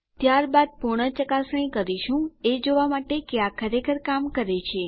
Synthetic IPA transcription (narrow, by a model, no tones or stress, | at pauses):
t̪jaɾbad̪̚puɾɳ̃ət͡ʃəkasə̃ĩkəɾiʃũed͡ʒoʋamaʈekeakʰəɾekəɾkamkəɾet͡ʃʰe